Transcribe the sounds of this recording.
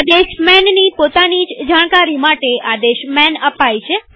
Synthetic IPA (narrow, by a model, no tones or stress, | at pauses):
ad̪eʃmɛnnipot̪anid͡ʒd͡ʒaɽ̃kaɾimaʈead̪eʃmɛnəpajt͡ʃʰe